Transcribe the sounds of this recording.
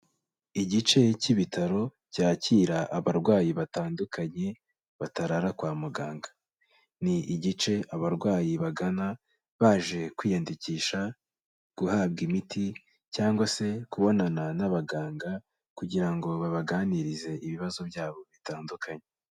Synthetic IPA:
iɟit͡ʃe̞ciβitʰaɾo̞ | caːciːɾaʔaβaɾɡwaːjiβataːndukʰaɲe̞ | βataɾaɾakwaːmuɡaːŋɡḁ | niʔiɟit͡ʃe̞ʔaβaɾɡwaːjiβaɡana | βaːʒe̞kwiːjandiciːʃa | ɡ̥uhaːbɡimitʰi | caːŋɡwase̞kuβo̞nananaβaɡaːŋɡa | kuɟiɾaŋɡo̞βaβaɡaːniɾize̞iβiβazo̞bɟaːβo̞βitaːndukʰaɲe

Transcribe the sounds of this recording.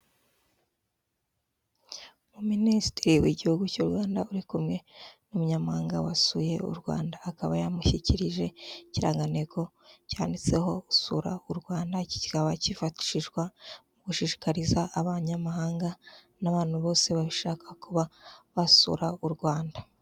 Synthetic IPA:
muministiɾiwiɟihuɡucuɾɡwaːndauɾikumŋe̞numuɲamahaːŋɡa̰wasuje̞ṵɾɡwa̰ːndaːkaβajamuçiciɾiʒe̞ciɾa̰ːŋɡane̞ko̞caːndit͡se̞ho̞usuɾa̰uɾɡwaːndaci̥i̥kaβacifati̥ʃiʒɡwamuɡuʃiːʃi̥kaɾizaːβaɲamaɦaːŋɡa | naβaːnhuβo̞ːse̞βaβiʃaːkḁkuβaβasṵɾauɾɡwaːnda

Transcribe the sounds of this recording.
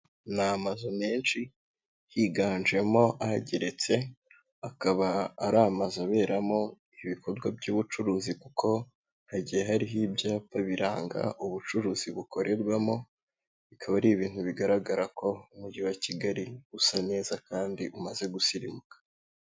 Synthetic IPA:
namazome̞ːnt͡ʃi | hiɡaːnd͡ʒe̞mo̞ʔaɟeɾe̞t͡se̞ | akaβaːɾamazaβe̞ːɾamo̞ | iβikʰo̞ɾɡwabɟuːβut͡ʃuɾuːzikuko̞ | haɟijeɦaɾiɦibjaːpaβiɾaːŋɡa̰ʔuβut͡ʃuɾuːziβukʰo̞ɾʔe̞ɾɡwamo̞ | βikʰaβaɾiːβiːn̥huβiɡaɾaɡaɾako̞umuɟiwaciɡaɾiusane̞ːzakaːndiʔumaze̞ɡusiɾimukḁ

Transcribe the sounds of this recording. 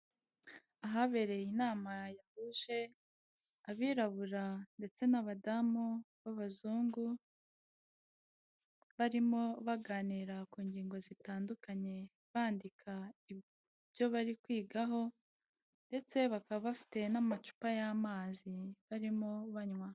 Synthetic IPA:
aɦaβe̞ɾe̞jinaːmajahuʃe̞ | aβiːɾaβuɾande̞t͡se̞naβadamuβaβazuːŋɡu | βaɾimo̞βaɡaːniɾakuːɲɟiːŋɡo̞zitaːndukaɲe̞ | βaːndikʰai | bjo̞βaɾikwiːɡaɦo̞ | nde̞t͡se̞βakaβaβafi̥te̞namat͡ʃu̥pajamaːziβaɾimo̞βaɲwa

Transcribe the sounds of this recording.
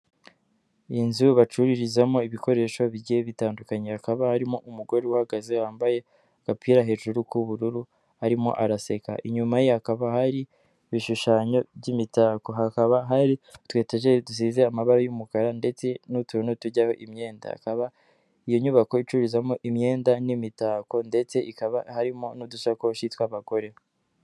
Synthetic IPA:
inzuβat͡ʃuɾiɾizamo̞iβiko̞ɾe̞ːʃo̞βiɟiheβitaːndukaɲehakaβahaɾimo̞ʔumuɡo̞ɾewuhaɡazewaːmbaje̞ | kapiɾaɦe̞ʒuɾukuβuɾuɾu | haɾimo̞̰ʔaɾase̞ka̰ʔiɲumajehakaβahaɾi | βiʃuʃaːɲo̞βɟimitaːko̞ɦakaβaɦaɾitwe̞ːteʒedus̬ize̞amaβaɾojumukaɾande̞t͡se̞nutunotuɟaho̞̰ʔimɲe̞ːnda̰a̰kaβa | ijo̞ɲuβako̞it͡ʃuɾizamoʔimɲe̞ːndanimitaːko̞nde̞t͡seʔikaβahaɾimo̞nudusakoʃitwaβaɡ̥o̞ɾe̞

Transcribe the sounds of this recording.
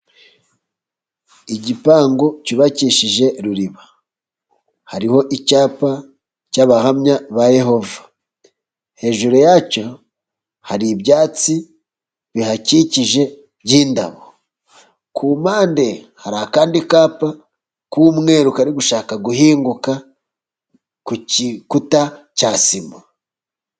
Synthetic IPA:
iɟipaːŋɡo̞ciβaciːʃiʒe̞ɾuɾiβa | haɾiho̞ʔicaːpa | caβahamɲaβaje̞ho̞vḁ | he̞ːʒuɾojaco̞ | haɾiβjaːt͡si | βihaciciʒe̞ | ɟiːnda̰βo | kʰuːmaːnde̞ | haɾaːkaːndikaːpa | kumŋe̞ːɾukaɾiɡuʃaːkaɡuhiːŋɡuka | kukuta | caːsima

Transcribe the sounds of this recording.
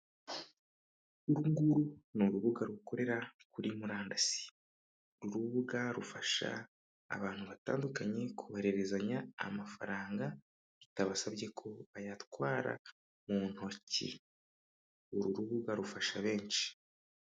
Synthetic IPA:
uɾuŋɡuɾunuɾuβuɡaɾuko̞ɾe̞ɾakuɾimuɾaːndasi̥ | ɾuɾuβuɡaɾufaʃa̰ː | βaːn̥huβata̰ːndukaɲe̞kʰuβaɾe̞ɾezaɲa̰ːmafa̰ɾaːŋɡa | ɾitaβasabɟe̞kʰo̞βajatkwaːɾa̰ | mun̥ho̞cḭ | uɾuɾuβuɡaɾufaʃaβe̞ːnt͡ʃi̥

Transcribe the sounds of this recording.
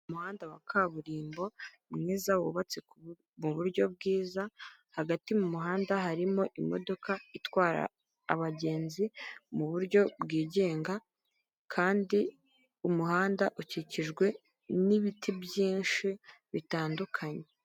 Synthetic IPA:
umuhaːndawakʰaβuɾiːmbo̞ | mŋiːzawṵβat͡sek | muβuɾɟo̞b̚ɡiːzahaɡatimumuɦaːndaɦaɾimo̞ʔimo̞̰do̞kaitwaːɾa̰ː | βaɟe̞ːnzimuβuɾɟo̞bɡiːɟe̞ːŋɡa | kʰaːndi | umuhaːndaʔuciciʒɡwe̞ | niβitibjiːnʃi | βitaːndukʰaɲe̞

